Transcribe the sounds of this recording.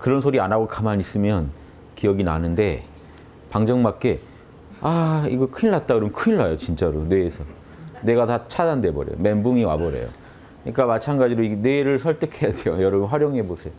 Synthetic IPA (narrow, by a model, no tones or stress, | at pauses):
kɯɾʌnsʰoɾianaɡokamaɲis͈ɯmjʌn | kijʌɡina̰nɯnde̞ | paŋd͡ʑʌŋmak͈e̞ | aiɡʌkʰɯiɭːat̚t͈aɡkɯɾʌmnkʰɯiɭːajot͡ɕint͡ɕ͈aɾone̞ːsʰʌ | ne̞ɡatat͡ɕʰadande̞bʌ̰ɾjḛjo̰me̞mbuŋiwa̰bʌɾe̞̰jo̰ | kɯɲik͈amat͡ɕʰanɡad͡ʑiɾoiɡne̞ɾɯɭsʰʌɭt͈ɯkʰe̞jade̞jojʌɾʌɡɯnɸwaɾjoŋɦe̞bosʰe̞jo